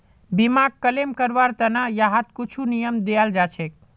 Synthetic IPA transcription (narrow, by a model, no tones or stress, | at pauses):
bimaɡ̚kəlemkəɾʋaɾt̪ənajaɦat̪kut͡ʃʰunijəmd̪eald͡ʒat͡ʃʰek̚